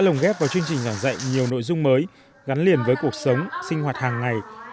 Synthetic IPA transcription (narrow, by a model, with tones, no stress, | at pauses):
lə˨˩wŋ͡mɣɛ˦˥p̚vaː˨˩wt͡ɕɨ˧əŋt͡ɕï˨˩ŋ̟zaː˧˩ŋza̰˧˨jɲi˨˩əwno̰˧˨jzʊ˧ŋ͡mməː˨˦j | ɣa˨˦nli˨˩ənvəː˨˦jku˨˩ək̚sə˨˦wŋ͡msï˧ŋ̟hwaː˨˩t̚haː˨˩ŋːa˨˩j